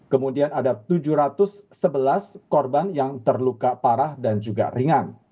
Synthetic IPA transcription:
kəmudianadat̪ud͡ʒuhɾat̪ʊsːəbəlaskɔrbanjaŋt̪ərlukapaɾahdand͡ʒuɡa̰riŋan

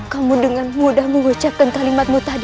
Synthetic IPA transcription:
kamudəŋanmudahməŋut͡ʃap̚kankalimat̪̚mut̪adi

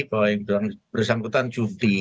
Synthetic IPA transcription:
koɪŋblaŋb̥ərsaŋkut̪ant͡ʃut̪i

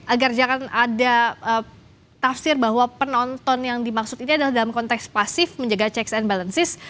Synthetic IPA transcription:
ʔaɡard͡ʒaŋanadaʔə | t̪afsɪrbaɦwapənɔnt̪ɔnjaŋdimaksʊt̪iniadalahdalamkɔnt̪ɛkspasɪfməɲd͡ʒəɡat͡ʃɛksɛnbalənsɪs

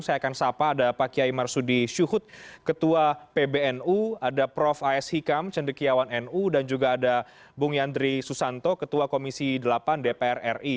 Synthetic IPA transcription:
ŋsajakansapaːdapakiaimarsudiʃuhʊt̪̚kət̪uapebeɛnuadapɾɔfaɛshikamt͡ʃəndəkijawanɛnudand͡ʒuɡaːda | buŋiand̪ɾisusant̪ɔkət̪uakomisidəlapandepeɛrɛ̰ri

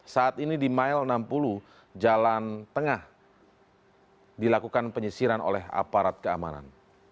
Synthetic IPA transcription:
saːt̪inidimailənampulu | d͡ʒalant̪əŋah | dilakukanpəɲəsiɾano̰lɛɦa̰paɾat̪̚kəa̰ma̰na̰n

